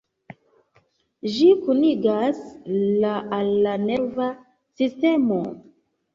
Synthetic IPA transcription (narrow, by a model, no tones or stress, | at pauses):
d͡ʒikuniɡaslaʔalːaneva | siste̞mo